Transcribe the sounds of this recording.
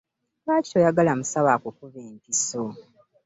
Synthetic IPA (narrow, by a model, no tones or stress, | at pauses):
βaːci̥ojaɡalamusaβakukuβeːntiso